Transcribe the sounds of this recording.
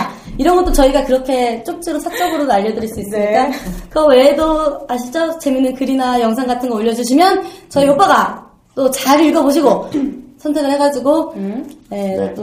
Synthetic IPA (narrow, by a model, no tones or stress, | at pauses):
iɾʌnɡʌt͈ot͡ɕʌiɡakɯɾʌkʰe̞t͡ɕ͈ok̚t͡ɕ͈iɾosʰat͡ɕ͈ʌɡɯɾonaʎːʌdɯɾiɭs͈uis͈ɯɲɲik͈akɯʌwe̞doaɕ̬ʰit͡ɕ͈ʌt͡ɕe̞minɯnkɯɾinajʌŋs̬ʰaŋɡatʰɯnɡʌoʎːʌd͡ʑuɕʰimjʌnt͡ɕʌijop͈aɡa | t͈ot͡ɕaɾiɭɡʌboɕ̬ʰiɡosʰʌntʰe̞ɡɣɯɭheɡad͡ʑiɡo | jet͈o